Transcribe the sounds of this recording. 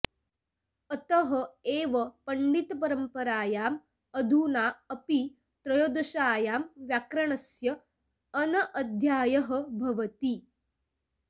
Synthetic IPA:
ɐt̪ɐɦɐ̆eːʋɐpɐɳɖit̪ɐpɐɾɐmpɐɾaːjaːm | ɐd̪ʱuːnaːɐpi | t̪ɾɐjoːd̪ɐʃaːjaːmʋjakɾɐɳɐsjɐː | nɐʔɐd̪ʱjaːjɐɦɐ̆bʱɐʋɐt̪i

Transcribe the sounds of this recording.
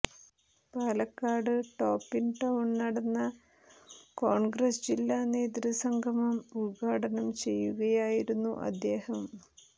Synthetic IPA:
paːlɐkːaːɖɨʈo̞ːpːinʈɐwuɳnɐɽɐnːɐ | koːɳɡɾɐsd͡ʑilːaːneːd̪ɾisɐŋɡʱɐmɐmulɡʱaːʈɐnɐmt͡ɕe̞jːuɣɐjaːjiɾunːṵʔɐ̰d̪ːe̞ːhɐm

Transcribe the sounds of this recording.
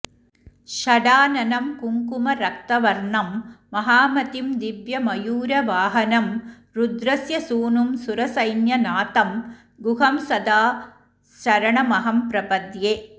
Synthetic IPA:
ʃɐɖaːnɐnɐmkuŋkumɐɾɐk̚t̪ɐʋɐɾɳɐmːɐɦaːmɐt̪imd̪iʋjɐmɐjuːɾɐʋaːɦɐnɐm | ɾud̪ɾɐsjɐsuːnumsuɾɐsɐjnjɐnaːt̪ɐm | ɡuɦɐmsɐd̪aː | ʃɐɾɐɳɐmɐɦɐmpɾɐpɐd̪jeː

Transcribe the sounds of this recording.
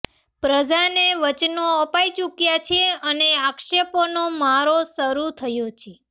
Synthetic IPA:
pɾəd͡ʒaneʋət͡ʃnoəpait͡ʃukjat͡ʃʰeəneakʃeponomaɾosəɾut̪ʰəjot͡ʃʰe

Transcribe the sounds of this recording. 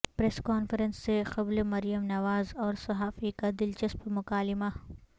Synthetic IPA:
pɾɛːskaːnfɾənsːexɐblmɐɾijəmnɐʋaːzɔːɾsɐɦaːfikad̪ɪlt͡ʃɐspmʊkaːlɪma

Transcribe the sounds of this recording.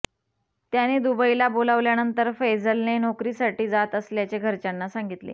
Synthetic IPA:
t̪janed̪ubəilabolaʋljanənt̪əɾfejd͡zəlnenɔkɾiːsaʈiːd͡zat̪əsljat͡ɕeɡʱəɾt͡ɕanːasaŋɡit̪lḛː

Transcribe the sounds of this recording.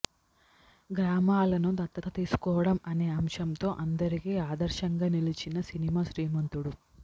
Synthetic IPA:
ɡɾaːmaːlɐnud̪ɐt̪ːɐt̪ɐt̪iːsu̥kɔːʋɐɽɐmɐne̞ːɐmʃɐmt̪o̞ːʔɐnd̪ɐɾikiːaːd̪ɐɾʃɐŋɡaːnilit͡ʃinɐsinimaːʃɾiːmɐnt̪uɽu

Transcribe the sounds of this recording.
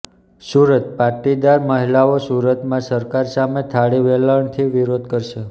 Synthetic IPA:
suɾət̪paʈid̪aɾməɦilaosuɾət̪mãsəɾkaɾsamet̪ʰaɽiʋeləɳt̪ʰiʋiɾod̪̚kəɾʃe

